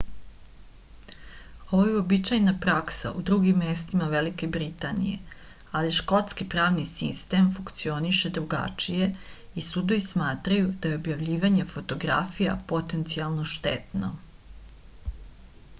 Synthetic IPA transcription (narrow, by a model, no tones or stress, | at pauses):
o̞ʋojeobit͡ʃajnapɾaksa̰ʔud̪ɾuɡimːest̪imaʋelike̞bɾit̪anḭje̞̰ | aliʃko̞t̪skipɾaːʋnisist̪e̞mfuŋkt̪sio̞niʃe̞d̪ɾuɡa̰t͡ʃije̞ | isud̪ojismaːt̪ɾajud̪̥ajeo̞bjaʋʎiːʋaɲefo̞t̪o̞ɡɾa̰fija̰po̞t̪e̞nt̪sialˠno̞ʃt̪ḛt̪no̰